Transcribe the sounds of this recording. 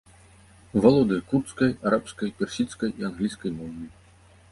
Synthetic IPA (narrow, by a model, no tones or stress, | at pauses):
valˠɔd̪ɨkurt̪skɐjaɾapskɐjpʲɛrsʲit̪skɐjianɣlʲisʲkɐjmɔvʲi